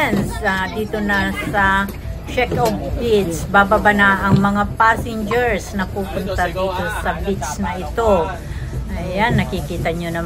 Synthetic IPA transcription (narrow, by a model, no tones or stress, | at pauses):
nsad̪iːt̪onasɐ | t͡ʃɛkopbɪt̪sbababanaʔɐŋmɐŋapasɪnd͡ʒɛɹsnɐpuːpʊnt̪ɐd̪iːt̪o̞sɐbɪt̪snɐʔɪt̪o | ʔɐjanːɐkikiːt̪ɐɲonɐ